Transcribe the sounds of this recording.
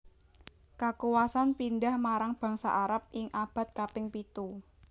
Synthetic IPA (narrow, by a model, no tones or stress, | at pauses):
kakuwasanpindahmaɾaŋb̥a̤ŋsa̰ʔaɾap̚ɪŋʔab̥a̤t̪̚kapɪŋpit̪u